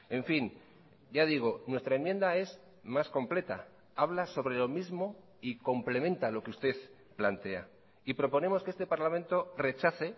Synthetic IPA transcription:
e̞ɱfin | ɟ͡ʝaðiɣ̞o̞nwe̞st̪ɾaemje̞nd̪ae̞z | masko̞mple̞t̪a̰ | aβlaso̞βɾe̞lo̞mizmo̞ | iko̞mple̞mẽ̞nt̪alo̞keust̪e̞θ | plant̪e̞a | ipɾo̞po̞ne̞mo̞skee̞st̪epaɾlamẽ̞nt̪o̞re̞t͡ʃaθe̞

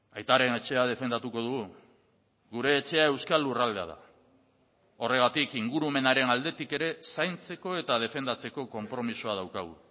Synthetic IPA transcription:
ajt̪aɾe̞ne̞t͡ʃe̞að̞e̞fe̞nd̪at̪uko̞ð̞uɣu | ɣuɾe̞ːt͡ʃe̞ae̞wskalːurald̪e̞a̰ð̞a̰ | o̞re̞ɣat̪ikiŋɡuɾume̞naɾe̞nald̪e̞t̪ike̞ɾe̞sajnt͡se̞ko̞e̞t̪að̞e̞fe̞nd̪at͡se̞ko̞ko̞mpɾo̞misoað̞awkaɣṵ

